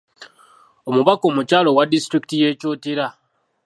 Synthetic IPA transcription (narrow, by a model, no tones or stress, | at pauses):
omuβako̞ːmucaːlo̞wadistɾiki̥tije̞ːcoːtiɾa